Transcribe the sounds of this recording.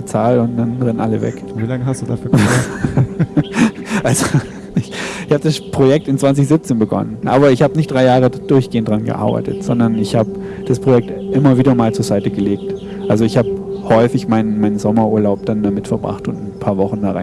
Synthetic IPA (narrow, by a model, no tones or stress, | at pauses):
ət͡saːlʊntd̥anʁɛnnʔa̰ləvɛ̰k | vilaŋasddaf | ʔalz̥o | ɪçɪçhaːbədaspʁ̥ojɛk̚tɪnt͡sv̥ant͡s̬ɪçz̥ɪp̚t͡seːnbəɡɔ̰nənʔa̰ːbɐɪçhaːbənɪçtd̥ʁaɪjaːʁ̞əd̥ʊɐçɡ̥eːəntd̥ʁanɡə̰ʔa̰ɐba̰ɪtətz̥ɔndɐnɪçhaːbə | d̥aspʁ̥ojɛk̚tʔɪmɐviːdɐmaːlt͡suːɐzaɪtəɡəleːk̚t | ʔalzoɪçhaːbəhɔʏfɪçmaɪnmaɪnnzɔmɐuːɐlaʊp̚d̥andamɪtfɛɐbʁa̰χtʊntn̩pʰaːɐvɔχn̩daʁaɪ